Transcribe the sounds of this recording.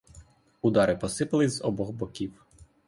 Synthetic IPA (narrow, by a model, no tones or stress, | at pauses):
ud̪ɑɾɪpɔsɪpɐlˠɪzɔbɔɦbɔkʲiw